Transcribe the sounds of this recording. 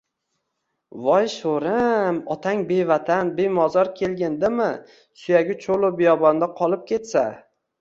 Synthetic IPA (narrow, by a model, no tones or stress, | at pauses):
vɒjʃoɾɪmɒt̪ʰaŋbe̞vat̪ʰanbemɒzɒɾkʲʰelɡʲɪnd̪ɪmɪ | sʊjaɡʲɪt͡ʃʰolˠʊbɪjɒbɒnd̪aqʰɒlˠɪp̚kʲe̞t̪sa